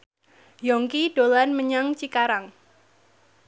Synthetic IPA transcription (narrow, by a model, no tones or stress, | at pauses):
jɔŋkiɖ̥olanməɲaŋt͡ʃikaɾaŋ